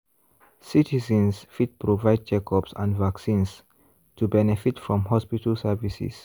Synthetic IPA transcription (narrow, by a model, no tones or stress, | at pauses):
sitizə̃nsfid̚pɹovaɪd̚d͡ʒɛkɔpsã̰nvaksĩns | tʰubɛnɛfitfɹɔ̃mɦɔspitəlsɛvisḭs